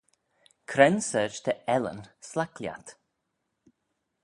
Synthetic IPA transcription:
kʰɾɛnsəd͡ʒt̪ʰəɛlə̰nslaklja̰t̪

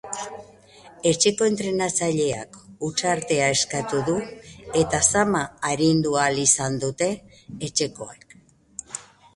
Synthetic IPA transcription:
e̞t͡ʃe̞ko̞e̞nt̪ɾe̞nat͡saʎe̞a̰kut͡ʃaɾt̪e̞ae̞skat̪uðue̞t̪asamaːɾind̪ualisand̪ut̪e̞ː | t͡ʃe̞ko̞ak

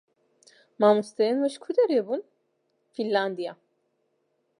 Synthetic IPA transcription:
mamust̪ejenvɯʃkʰud̪eɾebun | filʲlːand̪ija

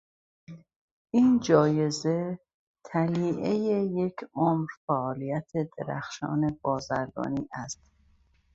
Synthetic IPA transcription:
ʔiːnd͡ʒɒːje̞ze̞ | t̪ʰæliːʔejeje̞cʰʔomɾfæʔɒːliːjæt̪ʰe̞d̪̥e̞̰ɾæ̰xʃɒ̰ːne̞b̥ɒːzæɾɡɒ̰ːniːʔæst̪

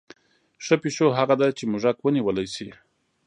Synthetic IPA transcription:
ʂəpiʃoɦaɣad̪at͡ʃemʊʒakwəniwəlajsi

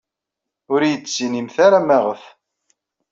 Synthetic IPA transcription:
ʊɾjət͡sːt͡sːinimθaɾamæʁəθ

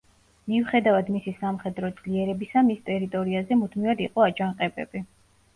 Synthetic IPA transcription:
miuχɛd̪avad̪misisamχɛd̪ɾɔd̪z̥liɛɾɛbisamist̪ʼɛɾit̪ʼɔɾiazɛmud̪ʰmivad̪iqʼɔad͡ʒaŋqʼɛbɛ̰bi

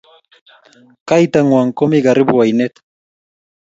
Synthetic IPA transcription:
kajt̪aŋoaŋkomiɣariβuajnet̪

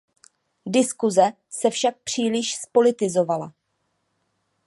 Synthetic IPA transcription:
dɪskuzɛ | sɛfʃak̚pr̝̥iːlɪʃspo̞lɪt̪ɪzo̞vala̰

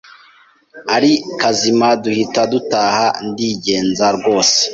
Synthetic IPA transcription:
aɾikazimaduhitadutaːhandiːɟe̞ːnzaɾɡo̞ːse̥

